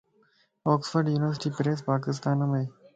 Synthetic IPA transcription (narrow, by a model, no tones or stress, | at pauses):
ɔːksfəɾɖjuːnɪʋəɾsɪʈiːpɾeːs̬paːk̬ɪs̬t̪aːnɐmeː